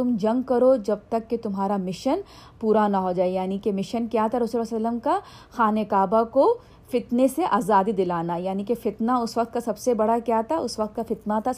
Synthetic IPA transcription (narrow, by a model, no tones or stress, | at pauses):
t̪ʊmd͡ʒɐ̃ŋɡkɐɾod͡ʒɐb̚t̪ɐkːet̪ʊmɦaːɾamɪʃən | puːɾanɐɦod͡ʒaːejaːnikemɪʃənkjaːt̪ʰaɾɐsulɐslːəmka | xaːnekaːbako | fɪt̪neseʔaːzaːd̪id̪ɪlaːnajaːnikefɪt̪naʊsʋɐq̚t̪kasɐbsebɐɽ̤akjaːt̪ʰaʊsʋɐq̚t̪̚kafɪt̪nat̪ʰa